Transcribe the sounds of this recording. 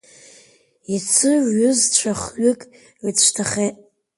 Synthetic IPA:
it͡sʰɨɥʊzt͡ɕʷʰaχɥʏkʼ | it͡ɕʷʰtʰaχeʔ

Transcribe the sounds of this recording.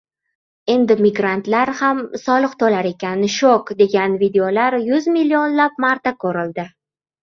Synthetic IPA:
e̞nd̪ɪmɪɡɾant̪laɾhamsɒlˠɨqt̪ʰolaɾe̞kʲʰanɪʃokd̪e̞ɡʲanvid̪eolaɾjʊzmilːionlap̚maɾt̪akʰɵɾɪld̪ɪ

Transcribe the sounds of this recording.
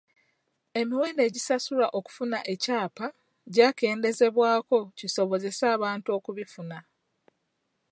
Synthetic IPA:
e̞miweːnde̞ːɟisasulaʔo̞ku̥funaʔe̞caːpa | ɟaːke̞ːnde̞ze̞βwaːko̞ciso̞βo̞ze̞saːβaːntuo̞ːkuβifuna

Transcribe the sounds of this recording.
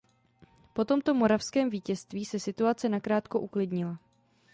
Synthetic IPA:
po̞t̪o̞mt̪o̞mo̞ɾafskɛːmviːcɛst̪viːsɛsɪt̪uat͡sɛnakɾaːt̪ko̞ʔuklɪdɲɪla

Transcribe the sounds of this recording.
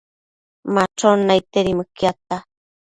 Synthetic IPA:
maʈ͡ʂonajt̪eɾimɨkjat̪a

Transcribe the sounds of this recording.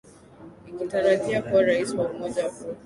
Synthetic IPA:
ikitaɾadiakuwaɾaisiwaumɔd͡ʒaaku

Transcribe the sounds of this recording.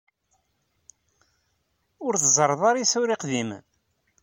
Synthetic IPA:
ʊɾθzˤəɾˤðˤɑɾˤisʊɾiqðim

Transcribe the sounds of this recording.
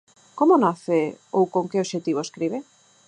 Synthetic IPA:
komonaθeowkoŋkeoʃet̪iβoeskɾiβe

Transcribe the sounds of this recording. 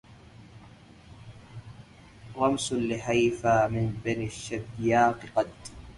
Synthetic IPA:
ɾˤɑmslɪħajfaːmɪnbaniʃːabjaːqɨqɑd̪

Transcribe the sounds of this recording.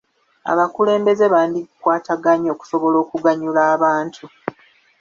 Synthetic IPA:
a̰βakule̞ːmbe̞ze̞βaːndiɡukwaːtaɡaɲo̞ːku̥so̞βo̞lo̞ːkuɡaɲulaːβaːntʰu

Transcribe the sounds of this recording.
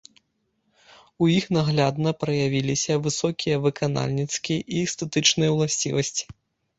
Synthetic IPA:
ujixnaɣlʲad̪nɐpɾɐjavʲilʲisʲɐvɨsɔkʲijɐvɨkana̰lʲnʲit̪skʲijɐʔist̪ɛt̪ɨt͡ʂnɨjɐwlˠasʲt͡sʲḭvɐsʲt͡sʲi̥

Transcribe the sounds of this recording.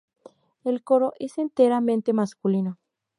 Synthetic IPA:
elkoɾoʔesent̪eɾamẽnt̪emaskulino

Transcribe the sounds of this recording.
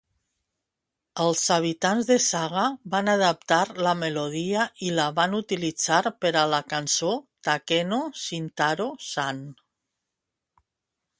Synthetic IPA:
əlˠzaβ̞it̪anzðesaɣ̞aβanaðəp̚t̪aɾlameloð̞iaʔilaβanut̪ilid͡zaɾpəɾəlakansot̪akɛnosint̪aɾosan

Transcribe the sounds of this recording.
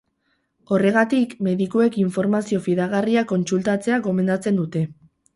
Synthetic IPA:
o̞re̞ɣ̞at̪ikme̞ðikue̞kiɱfo̞ɾmasio̞fiðaɣariako̞nsult̪at͡se̞aɡo̞me̞nd̪at͡se̞nd̪ut̪e̞

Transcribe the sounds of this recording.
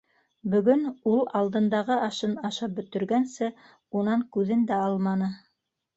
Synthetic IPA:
bɵ̆ɡɵnulˠɑlˠd̪ɤ̆nd̪ɑʁɤɑʃɤnɑʃɑp̚bɵ̆t̪ɵ̆ɾɡænsɘ | unɑŋkʉðɘnd̪æɑlˠmɑnɤ

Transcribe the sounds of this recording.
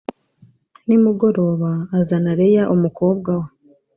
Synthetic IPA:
nimuɡo̞ɾo̞βaːzanaɾejaʔumuko̞ːbɡawe

